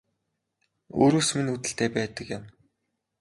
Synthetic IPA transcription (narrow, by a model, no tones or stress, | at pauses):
o̰ːɾoːsminut̪ɘ̆ɬt̪ʰeːpæːt̪ə̆kjə̆m